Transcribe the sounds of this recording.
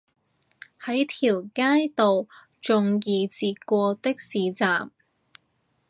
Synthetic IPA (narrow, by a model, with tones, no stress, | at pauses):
hɐ˨˥jt̪ʰiː˨˩wkaː˥jt̪o˨w | t͡ʃʊ˨˧ŋjiː˨˧t͡siː˧t̚kʷɔː˧t̪ɪ˥k̚siː˨˥t͡saː˨m